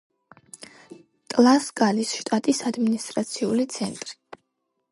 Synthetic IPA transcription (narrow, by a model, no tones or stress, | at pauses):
t̪ʼlˠaskʼalisʃt̪ʼat̪ʼisad̪minist̪ʼɾat̪sʰiulit̪sʰɛnt̪ʼɾi